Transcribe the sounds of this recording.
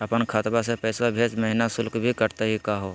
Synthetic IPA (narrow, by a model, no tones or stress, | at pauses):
ɐpənkʰaːt̪basepɛːsabʱeːd͡ʒmɐɦɪnasʊlkbʱikɐɾt̪aɦikaɦoː